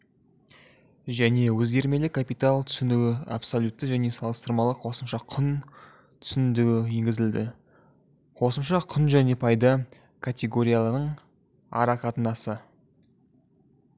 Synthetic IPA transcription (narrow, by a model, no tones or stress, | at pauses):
ʒæne̞wɵzɡʲe̞ɾme̞lɪkʰːapijt̪alˠt̪ʰʏ̥sɪnd̪ɪɡʲɪa̰pso̞lʲut̪ːəʒæne̞sɑlˠəst̪əɾmɑlˠəqʰo̞səmʃɑqʰʊn | t̪ʰʏ̥sɪnd̪ɪɡʲɪje̞ŋɡʲɪzɪld̪ɪ | qʰo̞səmʃɑqʰʊnʒæne̞pʰɑjd̪ɑ | kʰat̪ʲe̞ɡo̞ɾʲijalˠənəɴ | ɑ̰ɾɑqʰɑt̪ənɑsə